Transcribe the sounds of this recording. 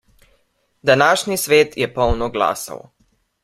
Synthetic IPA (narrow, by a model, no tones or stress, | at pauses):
d̪anaːʃnisʋeːt̪jɛpɔwnɔɡla̰ːsa̰w